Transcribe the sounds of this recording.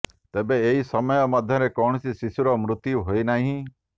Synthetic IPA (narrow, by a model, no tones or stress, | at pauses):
t̪ebeːisɔmɔjɔmɔd̪ʱjɔɾekɔɳ̃ɔsisisuɾɔmɾʊt̪juɦoinaɦĩ